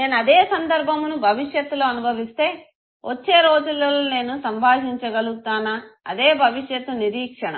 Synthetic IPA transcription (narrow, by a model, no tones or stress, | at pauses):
ne̞ːnuɐd̪eːsɐnd̪ɐɾbʱɐmnubʱɐʋiʂjɐt̪ːulo̞ːɐnubʱɐʋist̪e̞ː | ʋʔo̰t͡ʃːe̞ːɾo̞ːd͡ʒulːɐlone̞ːnusɐmbʱaːɦiɲt͡ʃɐɡɐluɡut̪aːnɐɐ̰d̪eːbʱɐʋiʂjɐt̪uniɾiːkʂɐɳɐ̰